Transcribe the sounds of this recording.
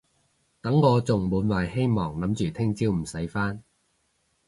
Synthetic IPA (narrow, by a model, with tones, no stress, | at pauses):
t̪ɐ˨˥ŋkɔː˧t͡sʊ˨ŋmuː˨˧˥nwaː˨˩jhe˥jmɔː˨˩ŋlɐ˨˥mt͡ʃyː˨t̪ʰɪ˥ŋt͡siː˥wm̩˨˩sɐ˨˥jfaː˥n